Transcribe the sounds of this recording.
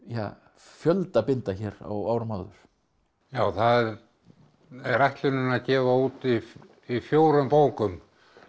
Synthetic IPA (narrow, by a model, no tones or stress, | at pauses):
ja̰ | fjœlt̪apɪnt̪açɛːɾa̰waːwɾʏmaːwðʏ̰ɾ̥ | jaːwθaðɛɾ | ɛrajht̪lɪnʏnaðcɛːvauːt̪i | ifjoːwɾʏmpoːwkʏm